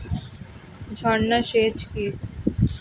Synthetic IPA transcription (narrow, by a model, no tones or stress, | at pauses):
d͡ʑʱɔnːaʃet͡ɕki